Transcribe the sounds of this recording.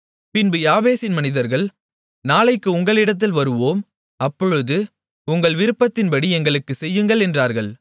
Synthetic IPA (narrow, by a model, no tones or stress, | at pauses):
pɪnbɯjaːʋeːsɪnmɐnɪðɐɾɣɐɭ | naːlɐɪkːɯʊŋɡɐɭɪɽɐt̪̬ːɪlʋɐɾɯʋoːm | ɐpːɔɻɯðɯ | ʊŋɡɐɭʋɪɾɯpːɐt̪ːɪnpɐɽiɛŋɡɐɭɯkːɯsɛjːɯŋɡɐɭɛndraːɾɣɐɭ